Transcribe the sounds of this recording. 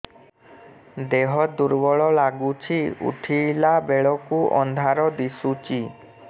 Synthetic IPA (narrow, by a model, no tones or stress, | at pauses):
d̪eɦɔd̪uɾbɔɭɔlaɡut͡ʃʰiṵʈʰilabeɭɔkuʔɔ̰nd̪ʱaɾɔd̪isut͡ʃi